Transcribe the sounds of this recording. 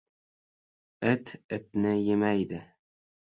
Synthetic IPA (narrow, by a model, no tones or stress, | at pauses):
ɘt̪ɪt̪nɪjemæjd̪ɪ